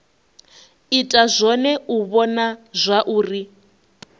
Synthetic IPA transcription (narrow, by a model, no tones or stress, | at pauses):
itʼazʷɔnɛuβɔnazʷaʔuːri